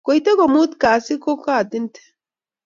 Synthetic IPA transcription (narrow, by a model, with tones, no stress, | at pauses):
ɡ̥ɔ˨jt̪ɛ˦ɡɔ˨mu˦t̪kaː˨sɪ˦kɔ˦ka˦˨d̪ɪ˦nt̪ʰɛ̥˨